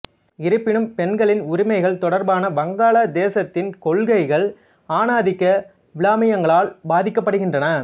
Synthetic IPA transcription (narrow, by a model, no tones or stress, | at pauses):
ɪɾɯpːɪnɯmpɛnɡɐɭɪnʊɾɪmɐɪɣɐɭt̪ɔɽɐɾbaːnɐbɐŋɡaːɭɐd̪eːsɐt̪ːɪnkɔɭɣɐɪɣɐɭ | aːnaːðɪkːɐ | ʋɪɭaːmɐjɐŋɡɐɭaːlbaːðɪkːɐpːɐɽɯɣɪndrɐnɐ